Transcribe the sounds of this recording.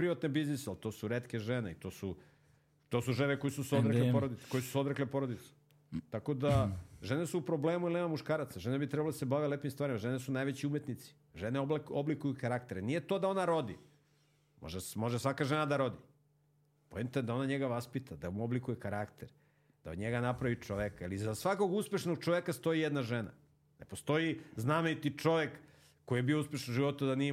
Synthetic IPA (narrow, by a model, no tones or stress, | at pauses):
pɾiʋat̪nebiznisealt̪o̞ːsuɾeːt̪keʒeneit̪o̞ːsu | t̪o̞suʒeneko̞jsusod̪ɾeklepoɾod̪ikojsu̥sod̪ɾeklepo̞ɾod̪it̪se̥ | t̪ako̞d̪aʒe̞ne̞suːpɾo̞bleːmuilneːmamuʃkaːɾat̪saʒe̞nabit̪ɾɛbaled̪asebaʋelepimst̪ʋaːɾimaʒe̞nesunajʋet͡ɕiumje̞t̪nit̪si̥ | ʒe̞neooblikujukaɾakt̪eɾenije̞t̪o̞ːd̪ao̞naɾo̞d̪i | mo̰ʒemo̞ʒesʋakaʒenad̪aɾo̞d̪i | poent̪ed̪ao̞naɲeɡaʋaspit̪ʰad̪aomuoblikujekaɾakt̪eɾ | d̪̥a̰o̰ɲeɡanapɾaʋit͡ʃoʋekaalizasʋako̞ɡuspe̞ʃno̞ɡ̚t͡ʃoʋekast̪o̞jijed̪naʒena̰ | ne̞po̞st̪o̞jiznamejut̪it͡ʂo̞ʋekː | o̞jiebiouspe̞ʃnuʒiʋo̞t̪ud̪ani